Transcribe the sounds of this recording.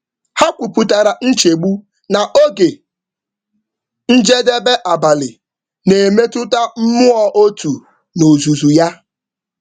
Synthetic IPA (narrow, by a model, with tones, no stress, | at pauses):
ha˦kʷu˨pu˨ta˨ɾa˨n̩˦t͡ʃe˨ɡ͡bu˦ | na˨ʔo˦ɡe˨ | n̩˦d͡ʒe˦de˦be˦ʔa˨ba˨lɪ˨ | ne˨me˦tʊ˦ta˦m̩˦mʊ˦ɔ˨ʔo˦tu˨ | no˨zu˨zu˨ja˦